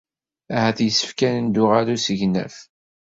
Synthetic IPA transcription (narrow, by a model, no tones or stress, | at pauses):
æhæθjəsːə̥fkænənd̪ʊʁaɾusəʝnæ̰f